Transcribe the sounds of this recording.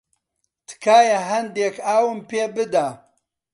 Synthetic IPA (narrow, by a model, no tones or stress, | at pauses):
t̪ʰɨ̥kʰaːjɐɦɐnd̪ekʰaːwɨmpeːbɨd̪a